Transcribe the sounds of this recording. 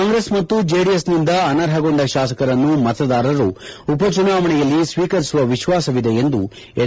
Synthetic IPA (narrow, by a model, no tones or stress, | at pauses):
aːŋɡɾesmɐt̪ːud͡ʒeːɖijesnind̪ɐɐnɐɾɦɐɡo̞ɳɖɐʃaːsɐkɐɾɐnːumɐt̪ɐd̪aːɾɐɾuupɐt͡ʃunaːʋɐɳɛjɐlːisʋiːkɐɾisuʋɐʋiʃʋaːsɐʋid̪eend̪u | e